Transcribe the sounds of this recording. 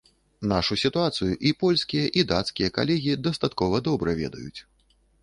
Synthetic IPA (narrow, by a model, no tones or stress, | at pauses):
naʂusʲit̪uat̪sɨjuʔipɔlʲsʲkʲijɐʔid̪at̪skʲijɐka̰lʲɛɣʲid̪ɐst̪at̪kɔvɐd̪ɔbɾɐvʲɛ̰d̪ɐ̰jṵt͡sʲ